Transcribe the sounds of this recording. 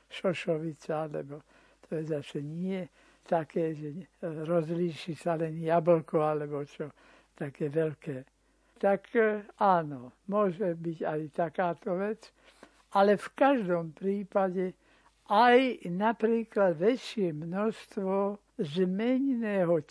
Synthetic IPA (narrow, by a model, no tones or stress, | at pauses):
ʃɔʃɔʋit͡saalɛ̰bɔ | t̪ʰɔjɛzasɛɲɪɛ | t̪akɛːʒɛɾɔzliːʃisalɛnjabl̩kɔalɛbɔt͡ʃɔ | t̪akɛːʋɛlkɛː | t̪akaːnɔmʊɔʒɛbiɟajt̪akaːt̪ɔʋɛt͡s | alɛfkaʒd̪ɔmpɾiːpaɟɛ | ajnapɾiːklad̪ʋɛt͡ʃɪɛmnɔst̪ʋɔ | zmɛɲnɛːɦɔ